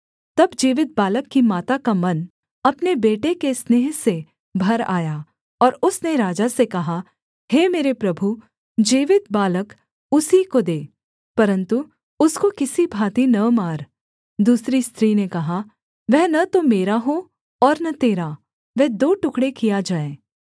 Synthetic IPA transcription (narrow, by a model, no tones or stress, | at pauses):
t̪ɐbd͡ʒiːʋɪt̪̚baːləkːimaːt̪akamɐn | ɐpnebeːʈekesneːɦse | bʱɐɾaːjaː | ɔːɾʊsneɾaːd͡ʒasekɐɦa | heːmeːɾepɾɐbʱu | d͡ʒiːʋɪt̪̚baːlək | ʊsikod̪eː | pɐɾə̃nt̪u | ʊskokɪsibʱaːt̪inɐmaːɾ | d̪uːsɾist̪ʰɾiːnekɐɦa | ʋɛɦnɐt̪omeːɾaɦo | ɔːɾnɐt̪eːɾa | ʋɛɦd̪oːʈʊkɽekijad͡ʒaːẽː